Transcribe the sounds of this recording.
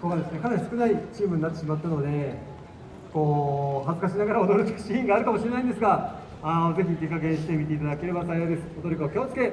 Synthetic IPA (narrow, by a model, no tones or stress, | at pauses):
koɡad̪e̞sɨne̞kanaɾʲisɨ̥kɯ̟nait͡ɕiːmɯ̟ɲ̟nat̪ːeɕimat̪ːano̞d̪e̞ | ko̞ːɦazɨkaɕinaɡaɾao̞d̪o̞ɾɯt͡ɕɕĩŋɡaːɾɯ̟kamo̞ɕiɾe̞naĩnd̪esɨɡa | anoze̞çit̪e̞kːakẽ̞ɕi̥t̪e̞mʲit̪e̞it̪ad̪ake̞ɾe̞basajo̞ːd̪e̞sɨ̥od̪o̞ɾokaokʲoːt͡sɨ̥ke̞